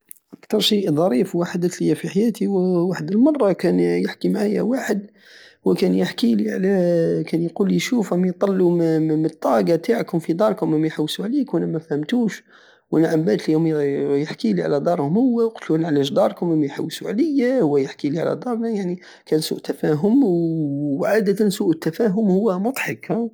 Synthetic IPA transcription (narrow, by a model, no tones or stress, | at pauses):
ʔækt̪ɑɾˤʃiʔd̪ˤɑɾifwaħad̪ət̪ləjːæfiħajæt̪iwwaħəd̪əlmɑrˤːɑkænjəħkimaʕajːæ̰waħəd̪ | wkænjəħkiliʕalækænjqulːiʃufæmajt̪ˤːɑlːumət̪ˤːɑɡɑt̪ʰaʕkʊmfid̪ˤɑɾˤkʊmæmːæjħawsuʕlikwænæmæfhəmt̪uʃ | wʔænaʕambæt̪ljumjəħkiliʕa̰læd̪ˤɑɾˤhʊmhʊwːæwqʊ̥t̪lunʕlæʃd̪ɑɾˤkʊmæmːajħa̰wːsuʕləjːahʊwːæjəħkiliʕa̰læ̰d̪ɑɾˤnajaʕni | kænsṵːʔt̪ːæfæɦʊmwʕaːd̪ət̪ænsuːʔət̪ːæfæɦʊmhʊwːæmʊt̪ˤħɑkhæ